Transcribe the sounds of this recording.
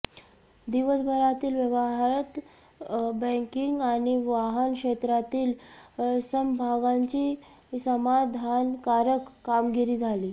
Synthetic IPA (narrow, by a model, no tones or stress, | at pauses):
d̪iʋəsbʱəɾat̪iːlʋjəʋəɦaɾət̪ | bə̃kiŋɡañiʋaɦənkʂet̪ɾat̪iːl | səmbʱaɡaɲt͡ɕiː | səmad̪ʱankaɾəkːamɡiɾiːd͡zʱaliː